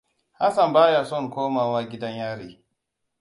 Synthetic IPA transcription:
ha˦sa˨mbaː˦jaː˨sɔ˦˨ŋkʷoː˦maː˨waː˦ɡʲɪ˦dɐ˦ɲjaː˦ɽiː˨

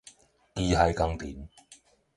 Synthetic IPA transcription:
kiː˧ɦɐ˨˧jkɐ˧ŋt̪iː˨˩m

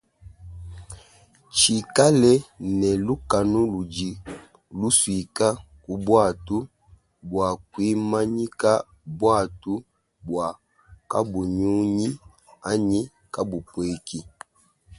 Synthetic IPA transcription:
t͡ʃi˨ka˦lɛ˦nɛ˨lu˦ka˨nu˦lu˨d͡ʒi˨ | lu˦swi˨ka˦ | ku˨bwa˦˨tu˦ | bwa˨kwi˦ma˦ɲi˦ka˦ | bwa˦˨tu˦ | bwa˨ | ka̰˦bu˨ɲu˦ɲi˦ | a˦ɲi˦ | ka˦bu˨pwe˨ki˦

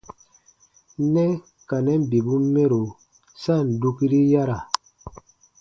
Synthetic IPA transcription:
nɛ˦ | ka˨nɛ˦m˨bi˨bu˦me˦ɾo˨ | sa˦˨n̩˨du˦ki˦ɾi˦ja˦ɾa˨

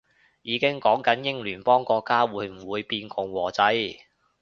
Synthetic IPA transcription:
jiː˨˧kɪ˥ŋkɔː˨˥ŋkɐ˨˥njɪ˥ŋlyː˨˩npɔː˥ŋkɔː˧kːaː˥wuː˨˧˥jm̩˨˩wuː˨˧jpiː˧nkʊ˨˩ŋwɔː˨˩t͡sɐ˨˥j

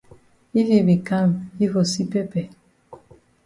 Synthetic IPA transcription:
i˦vi˨bi˨ka˦˨mi˦vo˨si˦pɛ˦pɛ˨

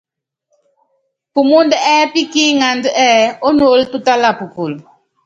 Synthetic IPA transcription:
pu˨mu˦ndɛ˦pi˦ki˦ŋa˨ndɛ˦o˦no˨˦ltu˦ta˦la˨pu˨ku˨l

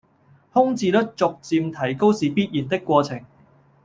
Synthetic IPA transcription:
hʊ˥ŋt͡siː˧t̪ə˥t̚t͡sʊ˨k̚t͡siː˧mt̪ʰɐ˨˩jko˥wsiː˨piː˥t̚jiː˨˩nt̪ɪ˥kːwɔː˧t͡sʰɪ˨˩ŋ

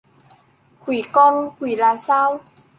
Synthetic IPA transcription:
kʰwi˨˩˦kɔ˧˩ŋkʰwi˨˩˦laː˧saː˦˥˩w

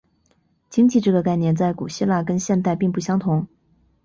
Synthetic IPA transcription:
t͡ɕi˥ŋt͡ɕi˥˧ʈ͡ʂɤ˥˩ɡə˩ka˥˧ɪnjɛ˥˧nt͡sa˥˩ɪku˨˩ɕi˥la˥˩kə˥nɕjɛ˥˧nt̪a˥˧ɪpi˥˧ŋpu˥˩ɕjɑ˥ŋt̪ʰʊ˧˥ŋ

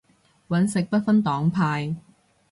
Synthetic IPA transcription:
wɐ˨˥nsɪ˨k̚pɐ˥t̚fɐ˥nt̪ɔː˨˥ŋpʰaː˧j

